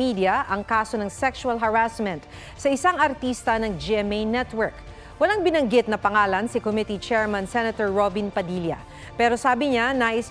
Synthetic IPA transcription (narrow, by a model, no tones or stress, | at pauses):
id̪ɪjɐʔɐŋkaːso̞nɐŋsɛkʃuɐlɦɐɹasmɛ̃nt̪ | sɐʔɪsaŋɐɾt̪iːst̪ɐnɐŋd͡ʒiʔɛmejnɛt̪wɛɹk | wɐlaŋbɪnɐŋɡɪt̪̚nɐpɐŋaːlɐnsɪkomɪt̪it͡ʃɛɹmɐnsɛnɐt̪oɹːobɪnpɐd̪iljɐ̰ | pɛːɾosaːbɪɲanaʔɪs